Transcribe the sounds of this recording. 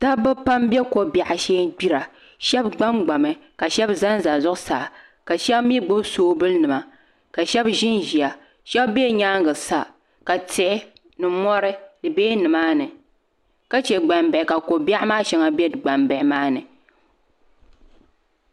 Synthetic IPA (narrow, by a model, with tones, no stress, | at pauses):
ta˦bɨ˦pa˦mbjɛ˦ko˨ba˨ʔa˨ʃɛ˦ɡ͡bi˦ɾa˨ | ʃɛ˦bɡ͡ba˦mɡ͡ba˨mɨ˨ka˨ʃɛ˦bza˦nza˨zʊ˦ʔsaː˨ | ka˨ʃɛ˦bmi˦ɡ͡bɨ˦bsoː˦bɨ˦lnɨ˨ma˨ | ka˨ʃɛ˦bʒɪ˦nʒi˨a˨ | ʃɛ˦bbɛ˦ɲaː˦ŋɡɨ˨sa˦ | ka˨tɪ˨ʔɪ˦ | nɨ˨mɔ˦ɾɨ˦dɨ˨beː˦nɨ˨maː˦nɨ˨ | ka˦t͡ʃɛ˨ɡ͡ba˨mbɛ˨ɪ˨ka˨ko˨ba˦ʔmaː˦ʃɛ˦ŋa˦bɛ˦˨ɡ͡ba˨mbɛ˨ʔɪ˨maː˦nɨ˨